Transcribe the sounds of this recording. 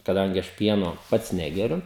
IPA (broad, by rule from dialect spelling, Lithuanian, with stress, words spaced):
kɐˈdɐŋʲɡʲɪ ˈɐʃ ˈpʲiɛnoː ˈpɐts ˈnʲæːɡʲɛrʲʊ